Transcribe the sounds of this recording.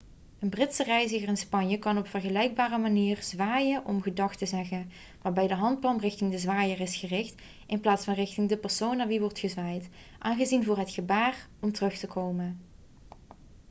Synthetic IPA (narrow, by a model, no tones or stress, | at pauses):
ənbrɪtsərɛjzəɣərɪnspɑɲjəkɑnɔpfərɣəlɛjɡ̚baːrəmaniːrzʋaːjənʔɔmɣədɑxtəzɛɣən | ʋaːɹbɛjdəɦɑnt̚plɑmrɪxtɪŋdəzʋaːjərɪsχərɪxt | ɪnplaːtsfɑnrɪxtɪŋdəpɛɹsownːaːɹʋiʋɔɹtχəzʋaːjt | ʔaːnɣəzinvʊːɹɦətxəbaːr | ɔmtərɵxtəkʰowmən